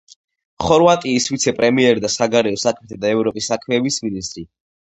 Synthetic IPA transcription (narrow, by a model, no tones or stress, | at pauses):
χɔɾvat̪ʼiːswit̪sʰɛpʼɾɛmiɛɾd̪asaɡaɾɛɔsakʰmɛt̪ʰad̪aɛvɾɔpʼisːakʰmɛːbisminist̪ʼɾi